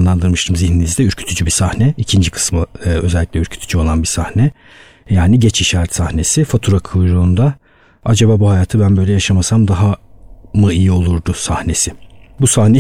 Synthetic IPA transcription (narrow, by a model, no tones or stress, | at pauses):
nlˠand̪ɯɾmɯʃt̪ʰɯmziçninizd̪ɛyɾcʰy̥t̪ʰyd͡ʒybisahnɛicʰind͡ʒikʰɯ̥smɯø̞zɛlʲːiclʲɛyɾcʰy̥t̪ʰy̥d͡ʒyo̞lˠanbisahnɛ | jaːniɟɛt͡ʃiʃaːɾɛt̪sahne̞sifat̪ʰuɾakʰujɾuːnd̪a | ad͡ʒabaːbuhajaːt̪ʰɯbænbø̞jlʲɛjaʃamasamd̪aɦamɯijio̞lˠuɾd̪ʊsahne̞sɪbusahnɛ